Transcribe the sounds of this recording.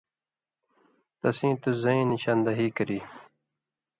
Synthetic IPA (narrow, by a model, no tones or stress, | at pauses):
t̪ɐsĩːt̪uzɐĩːniɕaːnd̪ɐɦiːkəɾiː